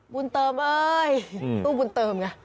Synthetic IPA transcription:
bu˧nt̪ɤː˧mʔɤː˧j̪uː˥˩bu˧nt̪ɤː˧˩mka˧˩

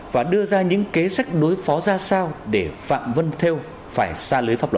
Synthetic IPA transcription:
vaː˨˩ɗɨ˧əzaː˧ɲɨ̰˧˥ŋke˨˦sa˦˥jk̟̚ɗo˨˦jfɔ˨˦zaː˧saː˧wɗe˧˩fa̰ː˧˨mvə˧nt̪ʰe˧w | faː˧˩jsaː˧lɨː˨˦jfaː˦˥plwə˨˩

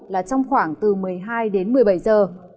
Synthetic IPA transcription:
laː˨˩t͡ɕɔ˧wŋ͡mxwaː˧˩ŋt̪ɨ˨˩mɨ˨˩əjɦaː˧jɗe˨˦nmɨ˨˩əjɓə˧˩jzəː˨˩

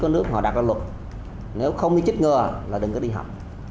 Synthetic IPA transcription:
kɔ˨˦nɨ˦˥ək̚hɔ̰˧˨ɗaː˨˩t̚laː˧˩lwə˨˩t̚ | ne˨˦wxə˧wŋ͡mɗi˧t͡ɕi˦˥t̚ŋəː˨˩laː˨˩ɗɨ˨˩ŋkɔ˨˦ɗi˧ɦa̰˨˩wk͡p̚

